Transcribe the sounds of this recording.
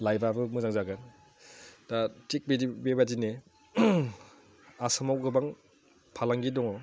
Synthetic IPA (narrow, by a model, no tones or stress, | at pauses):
lajbabɯmɯzaŋzaɡɯn | datik̚bedibebadine | asɯmawɡɯbaŋ | pʰalaŋɡidɔŋɔ